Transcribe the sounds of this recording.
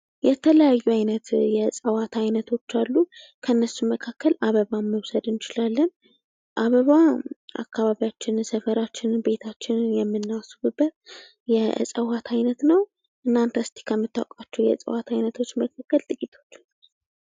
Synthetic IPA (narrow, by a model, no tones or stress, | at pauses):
jɛt̪ʰələjajːuajnət̪jɛsʼəwat̪ʰajnət̪ʰo̞t͡ʃːalːu | kʰənːəsːuməkʰakːəlaβəβaməwsəd̪ɨnt͡ʃɪlalːən | ʔaβəβaa̰kːaβaβijat͡ʃːɪnsəfəɾat͡ʃːɪnbe̞t̪ʰat͡ʃːɪnjɛmːɨnːasubɨbːət̪̚ | jɛ̰sʼəwat̪ʰajnət̪nəw | ʔɨnːant̪ʰəst̪ʰe̥kʰəmːɨt̪ːa̰wkʼat͡ʃːɛwjɛ̰sʼə̰wat̪ʰajnət̪ʰo̞t͡ʃːməkʰakːəlt̪ʼɨkʼit̪ʰo̞̥t͡ʃː